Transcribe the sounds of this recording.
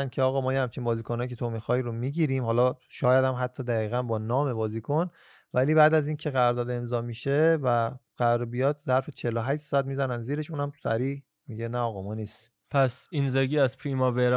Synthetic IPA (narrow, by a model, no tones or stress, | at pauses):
n̥cʰeɒːɣɒːmɒːjehæmt͡ʃʰinbɒːziːkʰonɒjicʰe̞t̪ʰo̞mixɒːjɾomiːɟiːɾiːmɦɒːlɒʃɒːjæd̪æmɦæt̪ʰːɒːd̪æɣiːɣænbɒːnɒːme̞bɒːziːkʰon | væliːbæːd̪æziːncʰe̞ɣæɾɔɾd̪ɒːd̪e̞mzɒːmiːʃevæɣ̥æɾɔɾbijɒːd̪zæɾfet͡ʃʰe̞loɦæʃt̪sɔæt̪̚miːzænænd̪ziːɾe̞ʃuːnæmsæ̰ɾiːh | miɟe̞næɒːɣɒmɒːniːst̪ | pʰæsinzeɡiːæzpʰɾimɒveɾ